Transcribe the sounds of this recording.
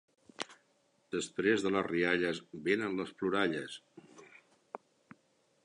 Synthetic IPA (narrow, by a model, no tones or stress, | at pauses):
d̪̥əspɾezðələriaʎəzβenənləspluɾaʎəs